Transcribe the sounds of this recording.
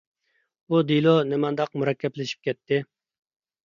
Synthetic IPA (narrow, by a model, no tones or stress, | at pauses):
ud̪ilˠonɪmɑnd̪ɑqmuɾɑkʲʰːɛplɪʃi̥p̚kʲʰɛt̪ʰːɪ